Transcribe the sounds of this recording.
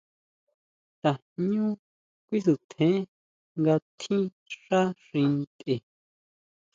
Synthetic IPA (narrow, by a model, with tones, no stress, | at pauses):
t̪a˨ | ɲũ˦ | kʷi˦su˨t̪ʰẽ˨˦ | ŋɡa˧t̪ʰĩ˦ | ʂa˦ʂĩ˧nt̪e˨